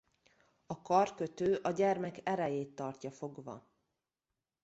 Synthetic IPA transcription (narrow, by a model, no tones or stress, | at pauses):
ɒkɒrkøt̪øːʔɒɟɛrmɛkɛɾɛjeːt̪ːɒrcɒfo̞ɡvɒ̰